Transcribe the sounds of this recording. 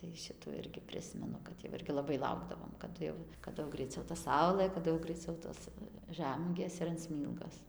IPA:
tɐɪ ˈʃʲɪtuː ˈɪrʲɡʲɪ ˈpʲrʲɪsʲmʲɛnʊ kɐt jɛʊ ˈɪrʲɡʲɪ lˠɐˈbɐɪ ˈlˠɐʊɡdɐʋoːm kɐˈdʊ jɛʊ kɐˈdʊ jɛʊ ˈɡrɐɪˈt͡sʲɛʊ tɐ ˈsɐʊlˠɘ kɐˈdʊ jɛʊ ɡrɐɪˈt͡sʲɛʊ ˈtoːs ˈʒʲæmuɔɡʲeːs ɪr ɐn ˈsʲmʲiːlˠɡoːs

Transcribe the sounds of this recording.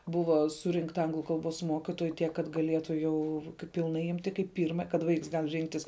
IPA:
ˈbʊʋɐ ˈsʊrʲɪŋktɐ ˈɐŋɡlˠʊ ˈkɐlˠˌboːs ˈmoːkʲɪtoːjʊ ˈtʲiɛk kɐt ɡɐˈlʲiɛtʊ ˈjɛʊ pʲɪlˠˈnɐɪ ˈɪmʲtʲɪ kɐɪp ˈpʲiːrmɐ kɐt ˈʋɐɪks ˈɡɐlˠ ˈrʲɪŋktʲɪs

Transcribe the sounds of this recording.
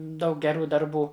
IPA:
ˈdɐʊk ɡʲɛˈruː dɐrˈbuː

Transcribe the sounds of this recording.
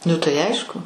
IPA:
ˈnʊ tɐɪ ˈɐɪʃkʊ

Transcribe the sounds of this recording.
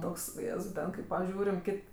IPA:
ˈtoːks ʊˈjeːzɐʊ ˈtʲɛn kɐɪ pɐˈʒʲuːrʲɪm ˈkʲɪtʲ

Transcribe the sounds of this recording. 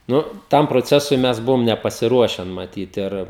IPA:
ˈnʊ ˈtɐm proːˈt͡sʲæːsʊɪ ˈmʲɛs ˈbʊʋoːm nʲɛpɐsʲɪˈruɔʃʲɛn mɐˈtʲiːt ɪr

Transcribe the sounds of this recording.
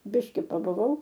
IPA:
ˈbʲɪʃʲkʲɪ pɐbʊˈʋɐʊ

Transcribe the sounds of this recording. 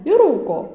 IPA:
ɪr ˈruːkoː

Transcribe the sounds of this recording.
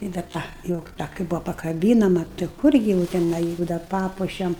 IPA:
ɪ dɐr ˈtɐ jɛʊ ˈtɐ kɐɪ ˈbuːʋoː pɐkɐˈbʲiːnɐmɐ tɐɪ ˈkʊrʲɡʲɪ jɛʊ tʲɛˈnɐɪ ˈjʊk dɐr ˈpɑːpuɔʃʲɛm

